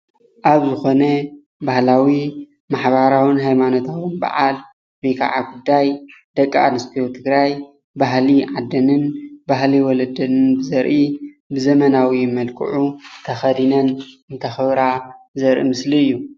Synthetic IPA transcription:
ʔaβzɨxo̞nɐ | bahlawi | maħβaɾawɨnɦajmanot̪ʰawɨnba̰ʕal | bikʰa̰ʕaɡud̪ːajd̪̥ɐkʼːaa̰nɨspʰijot̪ʰɨɡɾaj | baɦliʕad̪ɐnɨnbaɦliwɔlɐd̪ɐnɨnbɨzɐɾʔi | bɨzɐmɐnawimɐlkʰɨ̰ʕut̪ʰɐxɐd̪inɐnɨnt̪ʰɐxɐβɾa | zɐɾʔḭmɨsliɨjːu

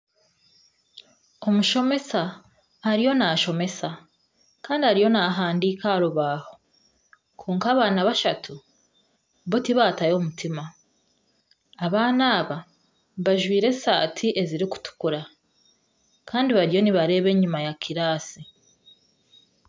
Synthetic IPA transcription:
o̞muʃo̞me̞sa | aɾijo̞naːʃo̞me̞sa | kaːndihaɾijo̞naːɦaːndiːkaɾuβaːho̞ | kʰuːŋkaːβaːnaβaʃatʰu | βotiβaːtajomutima | aβaːnaːβa | βaʒwiːɾe̞sa̰ːtʰiʔe̞ziɾiku̥tu̥kuɾa | kʰaːndiβaɾjo̞niβaɾe̞ːβe̞ːɲumajakʰiɾaːsi

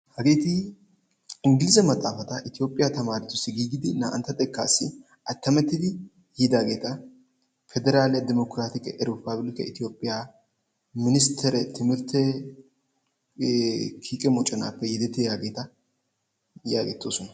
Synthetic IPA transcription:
hɐɡeːt̪ɪ | ɪŋɡɪlɪzɐmɐt̪ʼːaːfɐt̪ɐʔɪt̪ɪjo̞ːpʼːɪjat̪ɐmaːɾɪt̪ːʊsːɪɡiːɡɪd̪ɪna̰ːʔɐ̰nt̪ːɐt̪ʼɛkːa̰ːsːɪ | ʔɐt̪ːɐmɛt̪ːɪd̪ɪ | hid̪aːɡe̞ːt̪ɐ | fɛd̪ɛɾaːlɪjɐd̪ɪmɔkɾaːt̪ɪkʼɛʔɾɪpablɪkɛ̰ɪt̪ɪjo̞ːpʼːɪja | mɪnɪst̪ʰɛɾɛt̪ɪmɪɾt̪ʰɛ | kʰiːkʼɛmɔt͡ʃʼːɐnaːpːɛjɛd̪ɛt̪ːejaːɡe̞ːt̪ɐ | jaːɡɛt̪ːoːsɔnɐ

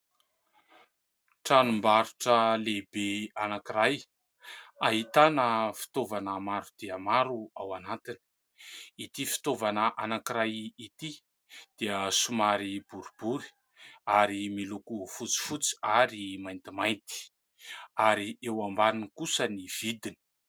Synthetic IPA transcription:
ʈ͡ʂanumbaɾuʈ͡ʂəlebeanakiɾaj | aɦit̪anəfi̥t̪ovanamaɾud̪̥eəmaɾuawanat̪ini̥ | it̪ifi̥t̪ovanəʔanakiɾajit̪i | d̪̥eəsumaɾibuɾub̥uɾi̥ | aɾimilukufut͡si̥fut͡si̥aɾimajnt̪imajnt̪i̥ | aɾiewambaninikusəniv̥id̪ini̥

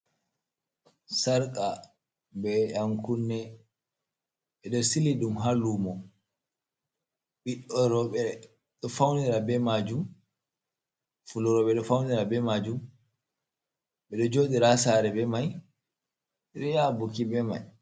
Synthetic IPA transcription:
saɾkʼa | bɛaŋkunːɛ | ɓɛɗɔɾsiliɗumɦalumɔ | ɓiɗɔɾɔɓɛ | ɗɔfawniɾabɛmad͡ʒum | fulɔɾɔɓɛɗɔfawniɾabɛmad͡ʒum | ɓɛɗɔd͡ʒoːɗiɾasaɾɛbɛmaj | ɾijabukibɛma̰j

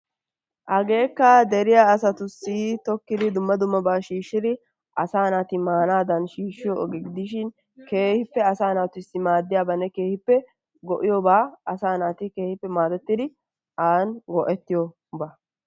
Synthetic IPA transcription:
ʔɐɡe̞ːkːɐd̪ɛɾɪjaːsɐt̪ʊsːit̪ɔkːɪd̪ɪd̪ʊmːɐd̪ʊmːɐbaːʃiːʃːɪd̪ɪ | ʔɐsaːnaːt̪ɪmaːnaːd̪ɐnʃiːʃːɪjɔʔɔɡɛɡɪd̪ɪʃ̬ɪn | ke̞ːhɪpːɛɐsaːnaːt̪ʊɪsːɪmaːd̪ːɪjaːbɐnːɛke̞ːhɪpːɛ | ɡɔʔɪjɔbaːɐsaːnaːt̪ɪke̞ːhɪpːɛmaːd̪ɛt̪ːɪd̪ɪ | aːnɡɔʔɛt̪ːɪjɔ | ba

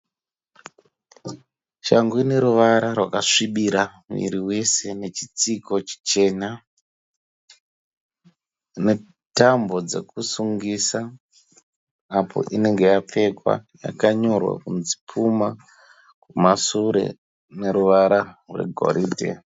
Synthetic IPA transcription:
ʃaŋɡuineɾuʋaɾarwakaʂiɓiɾamḭɾiwe̞se̞ne̞t͡ʃit͡siko̞t͡ʃi̥t͡ʃe̞ːna | ne̞ | tambo̞d͡ze̞̰kusuŋɡisa | pʰo̞̰ʔine̞ŋɡe̞jap͡fe̞kwa̰ja̰kaɲo̞rwa̰kunzi̥pʰuma | kumasuɾe̞̰ | ne̞ɾuʋaɾarḛɡʱo̰ɾiːdʱe̞̰

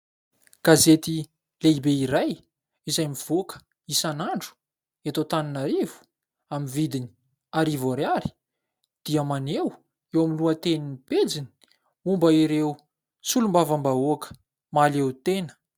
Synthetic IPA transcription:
ɡ̥azet̪i | leibeiɾaj | izajmiv̥okə̥ | isanaɳɖ͡ʐu̥ | et̪ot̪aninaɾivu̥ | amivid̪ini̥ | aɾivoɾeaɾi̥ | d̪̥iəmanew | ewamiluat̪eniniped͡zini̥ | umbəiɾew | t͡sulumbavambaoakə̥ | malewt̪enə̥

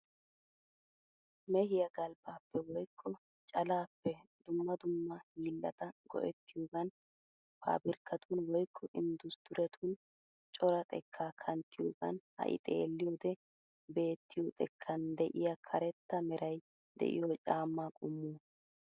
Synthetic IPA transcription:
mɛhɪjɐɡɐlbaːpːɛwɔjkʰːɔ | t͡ʃʼɐlaːpːɛd̪ʊmːɐd̪ʊmːɐhiːlːɐt̪ɐɡ̥ɔ̰ʔɛt̪ːɪjoːɡɐn | pʰa̰ːbɪɾkːɐt̪ʰunwɔjkʰːɔʔɪnd̪ʊsd̪̥ʊɾɛt̪ʰuːn | t͡ʃʼɔɾɐt̪ʼɛ̰kʰːaːkʰɐnt̪ːɪjo̰ːɡɐ̰nhɐ̰ʔɪ̰t̪ʼḛːlːɪjoːd̪ɛ | be̞ːt̪ːɪjot̪ʼɛkʰːɐnd̪ɛʔɪjɐkʰɐɾɛt̪ːɐmɛɾɐj | d̪ɛ̰ʔɪ̰joːt͡ʃʼaːmːaːkʼʊmːuː

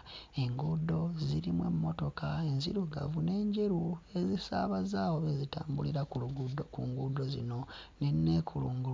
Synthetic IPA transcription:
e̞ŋɡudo̞ziɾimwe̞̰mːo̞to̞kae̞nziɾuɡa̰vune̞ːɲɟeɾue̞zisaːβazaːwoβezitaːmbuliɾakuluɡudokuŋɡudo̞zino̞nenːe̞ːkʰuluːŋɡu

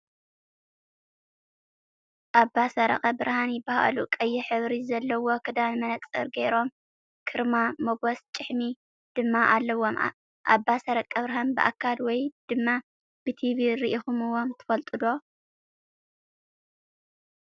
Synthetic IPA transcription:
ʔabːasɐɾɐ̰χʼɐbɨɾhanjɪbaha̰ʔlukʼɐjːɪħɨβɾizɐlːɐwo̞kʰɨd̪anmɐnɐkʼsʼɐ̰ɾɡeɾo̞m | kʰɨɾmamoɡost͡ʃʼɨħmi | d̪̥ɨmːaʔalːɐwːoma̰ | ʔabːasɐɾɐkʼɐβɾɦanbɨ̰ʔa̰kʰːalwɔjd̪̥ɨmːa | b̥ɨt̪ʰiβiɾiʔixumɨwomt̪ʰɨ̥fɐlt̪ʼɨd̪o̞

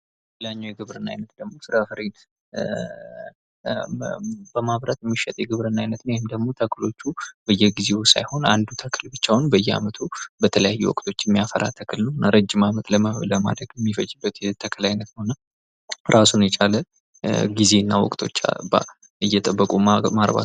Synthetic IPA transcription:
laɲːawjɛɡɨβɾɨnːa̰jnət̪d̪əɡmo̞sɨɾafəɾen | b̥əmaβɾat̪jɛmːiʃːɛt̪ʼjɛɡɨβɾɨnːajnət̪nəwjeɪmd̪əɡmo̞t̪ʰəkʰlo̞t͡ʃːubəjːɛɡize̞usa̰jho̞na̰nd̪ut̪ʰəkʰɨlbɨt͡ʃːawnbəjːɛa̰mət̪ʰubət̪ʰələjajːɛ̰wɔ̰kʼt̪ʼʰo̞t͡ʃːjɛmːijafəɾa̰t̪ʰəkʰɨlnəwnːaɾəd͡ʒːɪmamət̪ləmələma̰d̪ɾəɡjɛmːifəd͡ʒːɨbːət̪jɛt̪ʰəkʰɨlajnət̪nəwnːa | ɾasunjɛt͡ʃʼalə | ɡize̞nːawɔ̰kʼt̪ʰo̞̰t͡ʃːa̰ba̰ | ɨjːɛt̪ʼəbːəkʼumaɾba̰

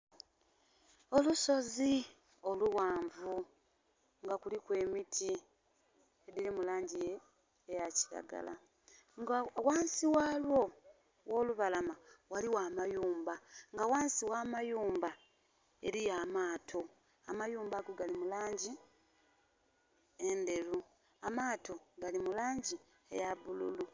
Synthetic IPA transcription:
o̞luso̞zi | o̞luwaːɱvu | ŋɡakulikwe̞ːmitʰi | edilimulaːɲɟije̞ː | jaci̥ɾa̰ɡa̰la̰ | ɡwaːnsiwaːlwo̞ | wo̞ːluβalamawaliwaːmajuːmbaŋɡawaːnsiwaːmajuːmba | e̞ɾijaːmaːtʰo̞ | amajuːmbaɡoɡalimulaːɲɟi | e̞nde̞ɾu | amaːtʰo̞ɡalimulaːɲɟi | ḛjaβulṵlu

